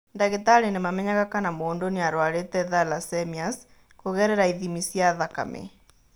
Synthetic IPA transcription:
ndaɣetaɾenemamɛɲaɣakanamoːndoneaɾwaɾetɛðalasɛmias | koɣɛɾɛɾaiðimisjaðaka̰mʔḛ

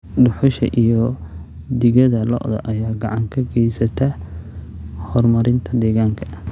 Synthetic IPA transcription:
ɖʊħʊʃɐ̰ʔijɔ | d̪ɪɣɐðɐlɔ̰ʔd̪ɐ̰ʔɐjaːɡɑʕɑŋkʰɐɡɛjsɐt̪ʰɐ | hɔrmɐɾɪnt̪ʰɐd̪ɛːɣaːŋkʰɐ̥

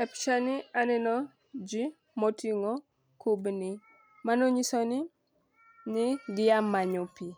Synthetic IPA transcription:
ɛpʃanianɛnɔ | d͡ʒi | motiŋɔ | kʰubni | manɔɲisoni | niɡɪjamːaɲopi

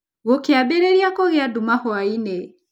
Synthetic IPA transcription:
ɣokeaɓɛɾɛɾjakɔɣɛadumahɔainɛ

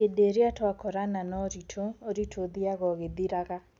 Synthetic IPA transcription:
edeɾeatwakɔɾananɔɾitʰooɾitʰoðiaɣɔɣeðiɾaɣa

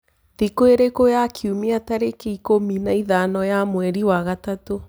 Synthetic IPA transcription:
ðikoeɾekojakʰiumiataɾekeikominaiðanɔjamwɛɾiwaɣatato

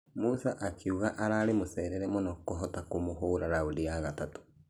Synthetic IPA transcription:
musaʔakeuɣaʔaɾaɾemosɛːɾɛɾɛmonɔkoɦɔtakomoɦoːɾaɾaoɾeaɣatato̥

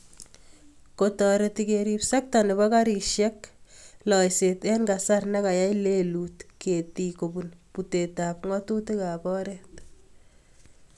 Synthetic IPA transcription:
kotɔɾetikeɾipsak̚taneβɔkaɾiʃjɛklɔjsetɛnɡasarnɛkajajleluːtkʰetikobunputetapŋɔtutekapɔɾet

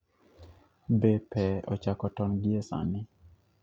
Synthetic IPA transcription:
bepɛɔ̰t͡ʃakɔtɔnɡɪesa̰nɪ

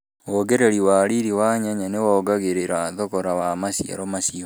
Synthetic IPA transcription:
woɣeɾɛɾiwaɾiɾiwaɲaɲanewɔːɡaɣeɾeɾaðokɔɾawamasia̰ɾɔmasio

